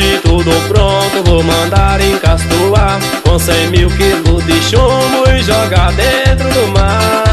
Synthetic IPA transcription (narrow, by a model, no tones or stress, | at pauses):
ɪt̪ud̪ʊpɾõt̪ʊvomɐ̃nd̪aɾẽj̃kast̪uaɾ | kõsẽj̃miwkilʊzd̪ɪʃũmʊɪʒɔɡad̪ẽt̪ɾʊd̪ʊma